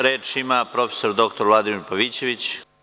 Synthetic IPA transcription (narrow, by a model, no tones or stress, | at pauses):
ɾe̞ːt͡ʃimapɾo̞feso̞ɾd̪o̞kt̪o̞ɾʋlˠad̪imiɾpaʋiːt͡ɕe̞ʋit͡ɕ